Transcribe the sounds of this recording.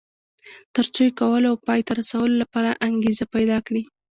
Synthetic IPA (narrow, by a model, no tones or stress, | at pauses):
t̪əɾt͡sojkawəlawpɑjt̪aɾasawəlolapɑɾaʔaŋɡezapajd̪ɑkɽi